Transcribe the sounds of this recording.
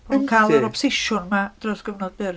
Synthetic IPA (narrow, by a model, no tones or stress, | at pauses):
unkʰaləɾɔpʰɔ̥sɪʃʊnmad̥rɔsɡ̥əvnɔd̚bɪr